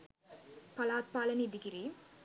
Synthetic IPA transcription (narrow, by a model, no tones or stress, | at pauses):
pɐlaːt̪̚paːlɐnid̪ɪkɪɾi